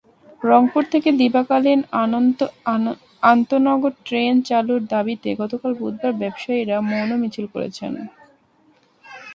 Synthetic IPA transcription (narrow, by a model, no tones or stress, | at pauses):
ɾɔŋpuɾt̪ʰeked̪ibakalin | ant̪onɔɡoɾʈɾent͡ɕaluɾd̪abit̪eɡɔt̪okalbud̪̚ʱbaɾbɛbʃaiɾamonomit͡ɕʰilko̰ɾḛt͡ɕʰḛn